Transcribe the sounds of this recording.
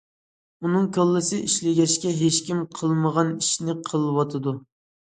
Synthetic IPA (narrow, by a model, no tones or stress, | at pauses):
unɨŋkʲʰølˠːɨsɪʔiʃlɪɡʲɛʃkʲɛɦeʃkʲimqʰəlˠməʁɑniʃnɪqʰəlˠɨwɑt̪ʰɨd̪u